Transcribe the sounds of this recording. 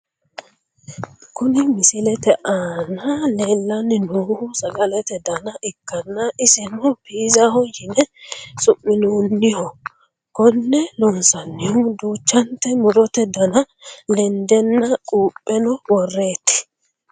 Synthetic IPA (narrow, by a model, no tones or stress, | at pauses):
kʊnɪmɪsɪlɛt̪ɛʔaːnɐleːlːɐnːɪnuːhʊsɐɡʼɐlɛt̪ɛd̪ɐnɐʔɪkːɐnːɐʔɪsɪnɔbiːzɐhɔjɪnɛsʊmːɪnuːnːɪhɔ | kɔnːɛlɔnsɐnːɪhʊd̪uːt͡ʃːɐnt̪ɛmʊd̪ɔt̪ɛd̪ɐnɐ | lɛnd̪ɛnːɐkʼuːpʼːɛnɔwɔrːe̞ːt̪ːɪ̥